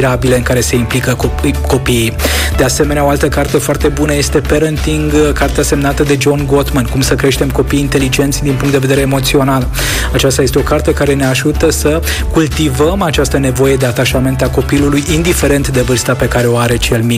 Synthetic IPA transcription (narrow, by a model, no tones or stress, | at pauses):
ɾabile̞ɨŋkaɾe̞se̞implikəko̞piːd̪e̞ase̞me̞neaoalt̪əkart̪e̞foart̪e̞bunəje̞st̪e̞peɾənt̪iŋɡkart̪ease̞mnat̪əd̪e̞d͡ʒo̞nɡo̞t̪mankumsəkɾe̞ʃt̪e̞mko̞pijːnt̪e̞lid͡ʒe̞nt̪sʲd̪inp̬uŋkt̪d̪eve̞d̪eɾeːmo̞t̪sio̞nal | at͡ʃast̪ajest̪e̞okart̪e̞kaɾe̞ne̞aʒut̪əsə | kult̪ivəmat͡ʃast̪əne̞vo̞je̞d̪e̞at̪aʃame̞nt̪ako̞pilulujind̪ife̞ɾe̞nt̪d̪e̞vɨrst̪ape̞kaɾe̞o̞aɾe̞t͡ʃe̞lmi